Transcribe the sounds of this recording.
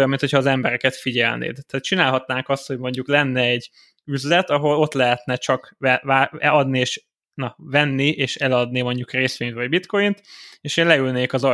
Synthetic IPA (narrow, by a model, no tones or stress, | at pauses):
jɒmːinhʰo̞cʰhɒːzɛmbɛɾɛkɛt̪fiɟɛ̰lnḛːd̪t̪ɛːt̪t͡ʃinaːlɦɒt̪naːŋkɒst̪ho̞ɟmo̞ɲɟuklɛnːɛːɟ | yzlɛt̪ɒɦo̞lo̞t̪lɛɦɛt̪nɛt͡ʃɒkɛaːɛɒd̪nieːʃ | nɒvɛnːiʔeːʃɛlɒd̪nimo̞ɲɟukreːsʋeːɲnt̪vɒɟbit̪ko̞jint̪eːʃeːnlɛylneːkɒzɒ